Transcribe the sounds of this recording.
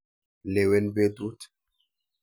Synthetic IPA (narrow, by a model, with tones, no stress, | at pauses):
le˨wɛ˦nbe˦du˦t̪